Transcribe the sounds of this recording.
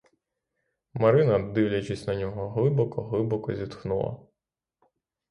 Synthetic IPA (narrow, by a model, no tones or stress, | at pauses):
mɐɾɪnɐd̪ɪwlʲɐt͡ʃɪsʲnɐnʲɔɦɔɦlˠɪbɔkɔɦlˠɪbɔkɔzʲit̪xnulˠɐ̰